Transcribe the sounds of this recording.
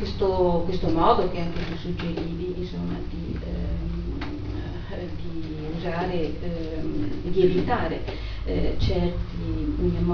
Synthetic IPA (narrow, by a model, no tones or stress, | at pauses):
west̪okwest̪omɔːd̪ok̟eaŋk̟et̪usːud͡ʒːeɾiːviːnsomːa̰d̪i | d̪i | uzaːɾe | ɛ | d̪ievit̪aːɾe | t͡ʃɛrt̪im